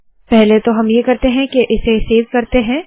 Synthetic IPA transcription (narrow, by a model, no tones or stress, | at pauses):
pɛɦlet̪oɦɐmjekɐɾt̪eɦɛ̃keʔɪseseːʋkɐɾt̪eɦɛ̃ː